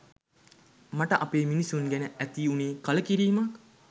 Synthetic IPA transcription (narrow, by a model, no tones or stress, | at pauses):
maʈəʔapeːminisuŋɡænəæt̪iːuniːkɐləkiɾiːmɐk